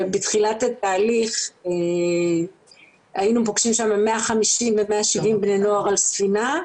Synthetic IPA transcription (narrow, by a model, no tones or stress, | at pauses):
betχilatat̪aːliχe | ainupoɡʃimʃamemeaχamiʃimvemeaʃivimbneno̞aʁalsfina